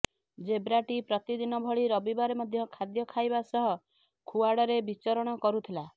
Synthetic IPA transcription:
d͡ʒebɾaʈipɾɔt̪id̪inɔbʱɔɭiɾɔbibaɾemɔd̪ʱjɔkʰad̪jɔkʰajbasɔɦɔ | kʰuaɽɔɾebit͡ʃɔɾɔɽ̃ɔkɔɾut̪ʰila

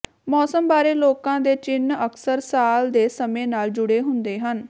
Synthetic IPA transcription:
mɔːsəmbaːɾeːloːkãːd̪eːt͡ʃɪnəksəɾsaːld̪eːsəmẽːnaːld͡ʒʊɽeːɦʊnd̪eːɦən

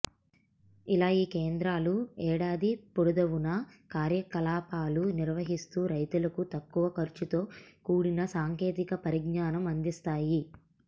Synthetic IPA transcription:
ilaːiːkeːnd̪ɾaːluɛːɽaːd̪ipuɽud̪ɐʋunɐkaːɾjɐkɐlaːpaːluniɾʋɐɦist̪uːɾɐjt̪ulɐkut̪ɐkːuʋɐkɐɾt͡ʃut̪o̞ːkuːɽinɐsaːŋke̞ːt̪ikɐpɐɾiɡnaːnɐmɐnd̪ist̪aːji

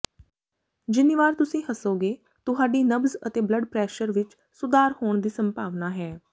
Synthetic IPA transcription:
d͡ʒɪniːʋaːɾt̪ʊsĩːɦəsoːɡeː | t̪ʊɦaːɖiːnəbzə̰t̪eːbləɖpɾɛːʃəɾʋɪt͡ʃ | sʊd̪aːɾhoːɳd̪iːsəmpaːʋnaːɦɛː

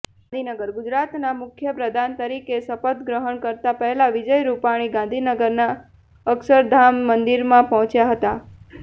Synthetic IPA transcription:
nd̪ʱinəɡəɾɡʊd͡ʒɾat̪namʊkʰjəpɾəd̪ʱant̪əɾikesəpət̪ɡɾəɦəɳkəɾt̪apəɦelaʋid͡ʒəjɾupaɽ̃iɡãnd̪ʱinəɡəɾna | əksəɾd̪ʱamːənd̪iɾmãpɔɦɔ̃t͡ʃjaɦət̪a

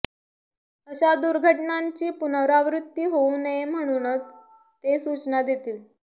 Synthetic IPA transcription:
əɕad̪uɾɡʱəʈnaɲt͡ɕiːpunəʋɾaʋɾut̪ːiːɦounəem̤əɽ̃uːnət͡s | t̪esut͡ɕnad̪et̪iːl

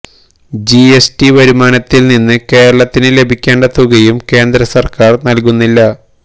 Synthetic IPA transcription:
d͡ʑiesʈiʋɐɾumaːnɐt̪ːilninːɨke̞ːɾɐɭɐt̪ːinɨle̞bʱikʲːeːɳɖɐt̪ːuɣɐjumke̞ːnd̪ɾɐsɐrkaːrnɐlkunːilːɐ

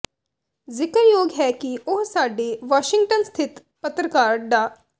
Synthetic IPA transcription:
zɪkəɾjoːɡɦɛːkiʊɦsaːɖeːʋaːʃɪŋɡ̚ʈənst̪ʰɪt̪ | pət̪ɾəkaːɾd̪aː

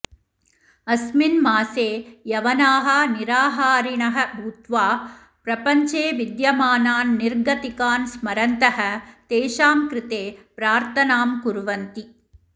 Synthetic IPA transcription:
ɐsminmaːseːjɐʋɐnaːɦɐniɾaːɦaːɾiɳɐɦɐbʱuːt̪ʋaː | pɾɐpɐɲt͡ʃeːʋid̪jɐmaːnaːnːiɾɡɐt̪ikaːnsmɐɾɐnt̪ɐhɐt̪eːʃaːmkɾɪt̪eːpɾaːɾt̪ɐnaːmkuɾʋɐnt̪i

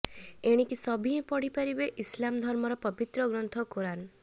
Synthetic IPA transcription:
eɽ̃ikisɔbʱiɦĩpɔɽipaɾibeʔislamd̪ʱɔɾmɔɾɔpɔbit̪ɾɔɡɾɔnt̪ʰɔkuɾan

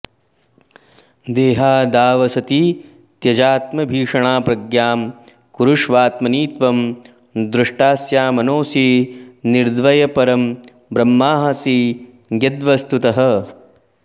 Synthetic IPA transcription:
d̪eːɦaːd̪aːʋɐsɐt̪i | t̪jɐd͡ʒaːt̪mɐbʱiːʂɐɳaːpɾɐɡjaːm | kuɾuʂʋaːt̪mɐniːt̪ʋɐm | d̪ɾɪʂʈaːsjaːmɐnoːsiniɾd̪ʋɐjɐpɐɾɐm | bɾɐmːaːɦɐsiː | ɡɐd̪ʋɐst̪ut̪ɐɦɐ̆

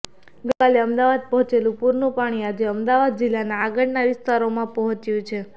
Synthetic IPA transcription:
ɡəkaleəmd̪aʋad̪̚pəɦɔ̃t͡ʃelũpuɾnũpaɽ̃iad͡ʒeəmd̪aʋad̪̚d͡ʒɪlːanaːɡəɽnaʋɪst̪aɾomãpəɦɔ̃t͡ʃjũt͡ʃʰe

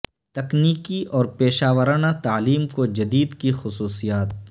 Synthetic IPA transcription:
t̪ɐkniːkiɔːɾpeːʃaːʋəɾaːnat̪aːliːmkod͡ʒɐd̪iːd̪kixʊsuːsijaːt̪

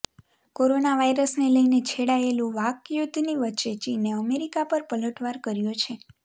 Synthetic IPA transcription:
koɾonaʋaiɾəsneləjnet͡ʃʰeɽaelũʋakjud̪ʱːniʋətːʃet͡ʃineəmeɾikapəɾpələʈʋaɾkəɾjot͡ʃʰe

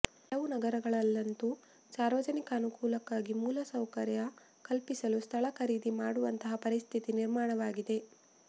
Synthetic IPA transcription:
ɐlɐʋunɐɡɐɾɐɡɐɭɐlːɐnt̪u | saːɾʋɐd͡ʒɐnikɐːnukuːlɐkːaːɡimuːlɐsɐwkɐɾjɐ | kɐlpisɐlust̪ʰɐɭɐkʰɐɾiːd̪imaːɽuʋɐnt̪ɐɦɐpɐɾist̪ʰit̪iniɾmaːɳɐʋaːɡid̪e̞

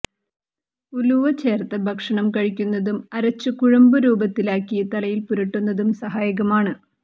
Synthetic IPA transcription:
uluʋɐt͡ɕeːrt̪ːɐbʱɐkʂɐɳɐmkɐɻikʲːunːɐðumɐɾɐt͡ɕːɨkuɻɐmbɨɾuːbɐt̪ːilaːkːijɐt̪ɐlɐjilpuɾɐʈːunːɐðumsɐɦaːjɐɣɐmaːɳɨ

